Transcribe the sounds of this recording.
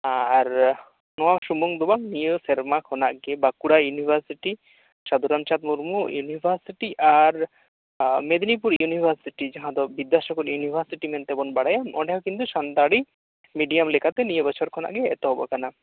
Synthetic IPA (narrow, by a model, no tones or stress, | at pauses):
aɾ | nɔwaʃumuŋd̪ubaŋnijəsɛɾmakʰɔna̰ʔɡɛbakuɽajunibʱaɾsiʈi | ʃad̪uɾamt͡ʃat̪̚muɾmujunibʱaɾsiʈiʔaɾ | med̪nip̬uɾjunibʱaɾsiʈid͡ʒaɦãd̪ɔbid̪aʃɔkɔɾjunibʱaɾsiʈimɛnt̪ɛbɔnbaɽajamɔ̰ɖɛɔkint̪uʃand̪aɽi | miɖiamlɛkat̪ɛnijəbɔt͡ʃʰɔɾkʰɔna̰ʔɡɛ̰ːt̪ɔɦɔbɔ̰kana